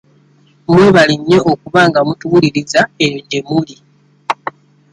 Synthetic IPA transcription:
mweːβaliɲːe̞ʔokuβaːŋɡamutuβuliɾizaejoɲɟemuli

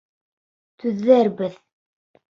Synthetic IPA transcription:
t̪ʰʉðːæɾbɘð

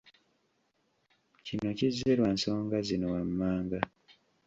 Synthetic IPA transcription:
cino̞cizːeɾwanso̞ːŋɡazinowamːaːŋɡa

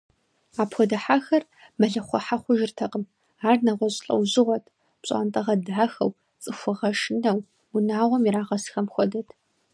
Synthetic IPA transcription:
aːpxʷɔdɐħaxɐr | mɐɮɐχʷɔħaχʷʊʒɪrtʰɐqʼəm | aːrnɐʁʷɔɕʼɬʼɐ̰wʑɪʁʷɔtʰ | pɕʼa̰ːntʼɐʁɐdaːxɐw | t͡sʼɨxʷʊʁɐʂɨnɐw | ʊnaːʁʷɔmiɾaːʁɐsxɐmxʷɔdɐtʰ

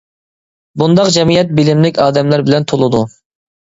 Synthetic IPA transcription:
bund̪ɑqd͡ʒɛmijɛt̪̚bɪlɪmlɪkʲɑːd̪ɛmlæɾbɪlɛnt̪ʰolˠɨd̪u

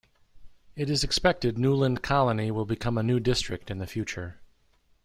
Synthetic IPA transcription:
ɨɾɨzɨkspɛk̚tɨdⁿnulˠə̃nkʰɑlˠəniwɪlˠbɨkʰʌ̃mənʉdɪstɹ̥ɨk̚tɨ̃nðɨfjʉt͡ʃə˞

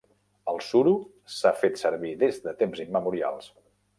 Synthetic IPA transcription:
əlˠsuɾu | safet̪səɾβiðezdət̪emzimːəmuɾia̰lˠs

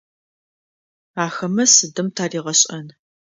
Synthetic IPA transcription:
aːxɐmɐsɨdɨmtʰaːriːʁɐɕʼɐn

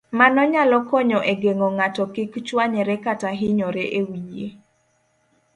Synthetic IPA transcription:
manɔɲalɔkɔɲɔʔeɡeŋɔŋatɔkɪkt͡ʃwaɲɛɾɛkataɦɪɲɔɾeʔewijḛ

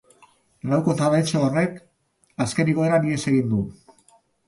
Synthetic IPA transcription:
lawko̞t̪aβajt͡ʃeore̞k | aske̞niɣo̞e̞ɾanie̞se̞ɣind̪u

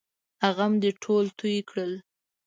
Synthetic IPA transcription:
haɣamd̪əʈʰolt̪ʰujkɽəl

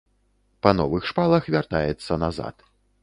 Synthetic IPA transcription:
pɐnɔ̰vɨxʂpalˠɐxvʲart̪ajɛt̪sːɐnaza̰t̪

